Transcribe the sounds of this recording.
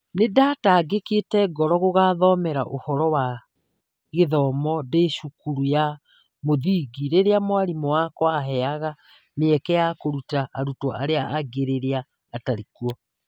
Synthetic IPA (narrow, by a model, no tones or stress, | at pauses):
nedataɡeketɛɡɔɾɔɣoɣaðɔmɛɾaʔohɔɾɔwa | ɣeðɔmɔdeːʃukuɾuja | moðiːɡiɾeɾeamwaɾimɔwakɔaɦɛaɣa | meɛkɛjakoɾutaʔːɾutɔʔaɾeaʔaɡeɾeɾeaː | taɾikwɔ